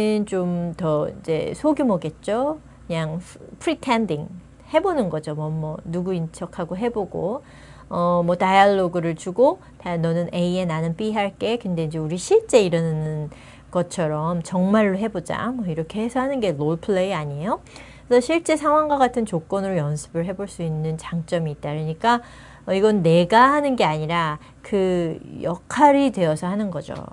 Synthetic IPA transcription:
nt͡ɕomtʌḭnd͡ʑe̞̰sʰoɡjumʌɡe̞t̚t͡ɕ͈o | kɯɲaŋpʰɯɾitʰendiŋ | he̞bonɯnɡʌd͡ʑomʌmːwʌnuɡuint͡ɕʰʌkʰaɡoɦe̞boɡo | ʌmwʌtajaɭːoɡɯɾɯɭt͡ɕuɡo | tanʌnɯnʔe̞ie̞nanɯnp͈iɦaɭk͈e̞kɯnde̞ind͡ʑe̞uɾiɕʰiɭt͡ɕ͈e̞iɾɯnɯnn | ɡ̥ʌt͡ɕʰʌɾʌmt͡ɕʌŋmaɭːoɦe̞bod͡ʑa̰mwʌiɾʌkʰe̞hesʰʌhanɯnɡe̞loɭpʰɯɭeiaɲiejo | esʰʌɕʰiɭt͡ɕ͈e̞sʰaŋɦwaŋɡwaɡatʰɯnt͡ɕok͈ʌnɯɾojʌnsʰɯ̥bɯɭɦe̞boɭs͈uinːɯnt͡ɕaŋt͡ɕ͈ʌmiːt̚t͈aɯɾɯɲik͈a | ʌiɡʌnnːe̞ɡahanɯnɡe̞aɲiɾa | kɯjʌkʰaɾidwe̞ʌsʰʌɦanɯnɡʌd͡ʑo̰

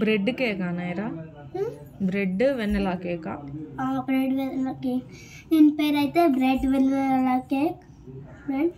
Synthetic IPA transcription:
bɾɛɖːɯkeːkːaːnɐjɾaː | bɾɛɖːɯʋɛnːɐlaːkeːkːaːaːbɾɛɖʋɛlloːkeː | ɛnpeːɾaːjt̪ːɐbɾɛɖʋɛllaːkeːk | bɾɛɖ

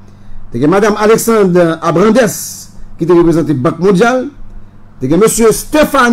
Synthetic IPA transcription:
t̪eɡɛ̃mad̪amalɛksɑ̃d̪ʁabʁɑ̃d̪ɛskit̪eʁəpezɑ̃t̪̬ebɑ̃k̚mɔ̃d̪jal | t̪eɡɛ̃møsjøst̪efan

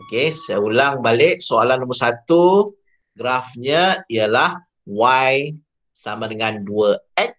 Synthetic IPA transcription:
okesajaulaŋbalɪʔ̚soalanːoməsat̪u | ɡɾafɲəiəlah | waj | samãdəŋãnduəɛt̚

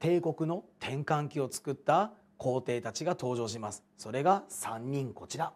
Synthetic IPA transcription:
t̪e̞ːko̞kɯ̟no̞t̪ʰẽ̞ŋkãŋkʲio̞t͡sɨ̥kɯ̟t̪ːa | kʰo̞ːt̪e̞ːt̪at͡ɕiɡat̪o̞ːʑo̞ːɕimasɨ̥so̞ɾe̞ɡasãɲ̟ːĩŋko̞t͡ɕiɾa

